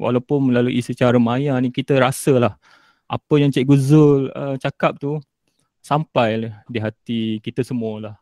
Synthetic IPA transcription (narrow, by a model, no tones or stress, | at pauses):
wʔa̰lawpʊnlaluʔisit͡ʃaɾəmajanĩkit̪əɾasəlah | ʔa̰pəjaŋt͡ʃɛʔɡuzʊlət͡ʃakap̚t̪u | sampajlədiɦat̪ikit̪əsəmuəlah